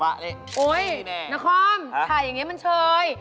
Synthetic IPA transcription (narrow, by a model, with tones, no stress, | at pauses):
wa˧ʔle˦ʔoː˧˦jɛ˧˩na˦˥kʰɔː˧˥m˧kʰaː˧˩ja˨˩ŋiː˦˥ma˧nt͡ɕʰɤː˧j